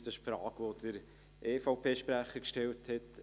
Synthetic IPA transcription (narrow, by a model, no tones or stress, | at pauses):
sɪʃpfɾɑ̰ːɡ̥ʋod̥əɾ | ʔeːfɔʊpʰeːʃpɾæχəkʃtɛlthɛt